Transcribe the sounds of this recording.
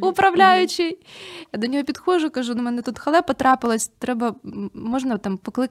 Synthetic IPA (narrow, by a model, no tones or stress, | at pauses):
ʊpɾɐvlʲæjʉt͡ɕːɪjjad̪ʲɐnʲɪjopʲɪt̪xoʐʊkɐʐunumɛnɐt̪ut̪xɐlˠɛpɐt̪ɾapɨlˠəsʲt̪ɾɛbɐmoʐnət̪ampɐklˠɨ